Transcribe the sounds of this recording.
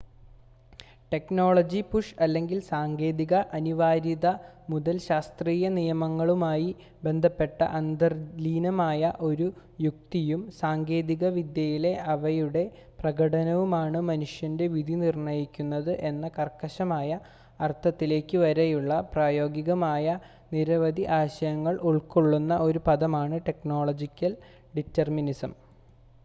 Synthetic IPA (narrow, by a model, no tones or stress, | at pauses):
ʈe̞kno̞ːɭɐd͡ʑipuʂɐlːe̞ŋɡilsaːŋɡe̞ːðiɣɐʔɐniʋaːɾiðɐ | muðɐlɕaːst̪riːjɐnijɐmɐŋːɐɭumaːji | be̞nd̪ʱɐpːe̞ʈːɐ̰ʔɐnd̪ɐrliːnɐmaːjɐʔo̞ɾu | juk̚t̪ijumsaːŋɡe̞ːðiɣɐʋid̪jɐjile̞ʔɐʋɐjuɽe̞ | prɐɣɐɽɐnɐʋumaːɳɨmɐnuʂjɐnde̞ʋid̪ʱinirɳɐjikʲːunːɐðɨʔe̞nːɐkɐrkːɐɕɐmaːjɐ | ɐrt̪ʰːɐt̪ːile̞ːkʲːɨʋɐɾejuɭːɐpraːjo̞ːɡiɣɐmaːjɐ | niɾɐʋɐd̪ʱiʔaːɕɐjɐŋːɐɭuɭkoɭːunːɐʔo̞ɾupɐðɐmaːɳɨʈe̞kno̞ːɭɐd͡ʑikʲːɐl | ɖitːɐrminisɐm